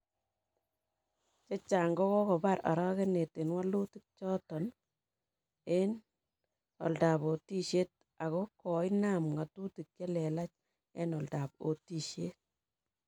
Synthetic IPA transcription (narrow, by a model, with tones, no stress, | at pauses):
t͡ʃe˦t͡ʃa˨ŋɡɔ˦kɔ˦kɔ˨ba˦ɾa̰˨ɾɔ˦ke˦ne˨te˨nwa˦lu˦ti˦k̚t͡ʃɔ˦tɔ˨n | e˦n | ɔ̰˨lda˨po˨ti˦ʃe˦t̚ | a˨kɔ˦kɔ˨i˦na˨mŋa˨tu˦ti˨k̚t͡ʃe˦lɛ˨la˦t͡ʃ | e˦nɔ˨lda˨po̰˨ti˦ʃje˦t̚